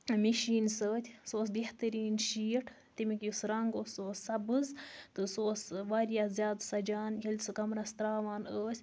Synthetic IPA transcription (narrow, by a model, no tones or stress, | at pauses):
miʃiːnsəːt̪ʰʲsoːs̬beht̪ɐɾiːnʃiːʈʰ | t̪imikjusɾɐŋɡosoːsːɐbɨzt̪ɨsoːsʋaːɾjaːzjaːd̪sɐd͡ʒaːnkʲilʲsɨkɐmɾɐst̪ɾaːʋaːnəːsʲ